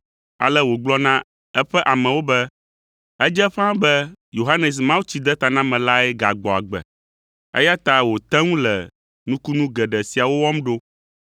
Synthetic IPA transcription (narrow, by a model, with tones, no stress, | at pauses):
a̰˨lɛ˦wo˨ɡ͡blɔ˦nã˦ | ɛ˦ɸɛ˦ʔa˨mɛ̃˨wo˦bɛ˦ | ɛ˦d͡ʒɛ˦ɸã˦bɛ˦jo˨ɦa˦nɛ˨s̬mã˦wu˦t͡ɕi˦d̪ɛ˦t̪a˨nã˦mɛ̃˨la˦ɛ˦ɡa˨ɡ͡bɔ˨a̰˨ɡ͡bɛ̰˨ | ɛ̰˦ja˦t̪a˦wo˨t̪ɛ˦ŋũ˦lɛ˨ | nũ˦ku˦nũ˦ɡɛ˨ɖɛ˨si˨a˨wo˦wɔ˦mɖo˦